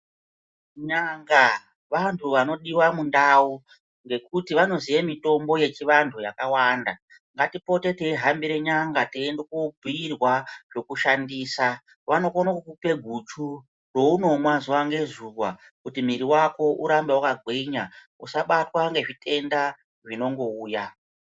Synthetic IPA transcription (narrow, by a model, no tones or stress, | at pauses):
ɲaŋɡa | ʋantʰuʋano̞ɗiwamundau | ŋɡe̞kutiʋano̞zijemito̞mbo̞je̞t͡ʃiʋantʰujakawaːnda | ŋɡatipo̞te̞teiɦambiɾe̞ɲaŋɡateːndokubʱiirwaʐo̞kuʃandiːsa | ʋano̞konakukupe̞ɡʱut͡ʃu | ro̞uno̞mwazuwaŋɡe̞zuka̰ | kutimiɾiwako̞ʔuɾambewakaɡʱweɲa | usaɓatwaŋɡe̞ʐitʰe̞nda | ʐino̞ŋɡo̞uːja